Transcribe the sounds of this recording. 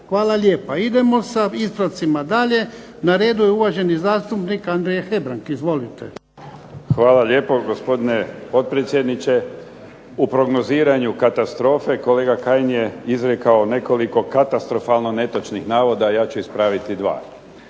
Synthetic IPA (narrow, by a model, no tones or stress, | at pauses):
xʋaːlˠaʎʲeːpaid̪e̞mo̞saispɾat̪simad̪aʎe̞ | naɾe̞ːd̪ujeuʋaʒe̞nizaːst̪upnikand̪ɾejexe̞bɾaŋkizʋo̞lit̪ḛ | xʋaːlaʎʲeːpo̞ɡospo̞d̪inepo̞t̪̚pɾet̪sʲjed̪nit͡ʃe | upɾo̞ɡno̞ziːɾaɲukat̪ast̪ɾo̞ːfe̞ko̞leːɡakaːjnjeizɾekaone̞ko̞liko̞kat̪ast̪ɾo̞falno̞ne̞t̪ot͡ʃnixnaːʋo̞d̪ajaːt͡ɕuispɾaːʋit̪id̪ʋa̰ː